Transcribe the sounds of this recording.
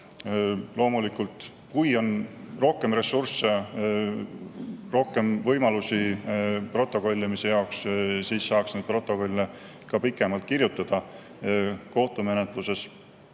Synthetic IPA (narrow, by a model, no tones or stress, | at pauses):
lo̞ːmulikult̪ˑ | kujo̞nro̞hke̞mre̞surse | ro̞hke̞mvɤjmɑlusipro̞t̪ːˑo̞ko̞lʲːimise̞jɑokssiːsːɑːksned̪pro̞t̪ːˑo̞ko̞lʲːe | kɑpikːˑe̞mɑlt̪̚kirjut̪ˑːɑd̪̥ɑ | ko̞ht̪ume̞net̪ˑluse̞s